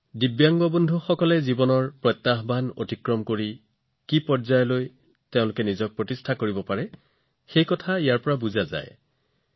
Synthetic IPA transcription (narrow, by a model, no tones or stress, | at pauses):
dibjaŋɡɔbɔndʱuxɔkɔlɛzibɔnɔɹpɹɔjt̪ːaɦbʱano̰tikɹɔmkoɹi | kipɔɹzajɔloj | teʊ̃lʊkɛnizɔk̚pɹɔtistʰakoɹibɔpaɹɛ | xejkɔtʰaijaɹpɔɹabuzaza̰j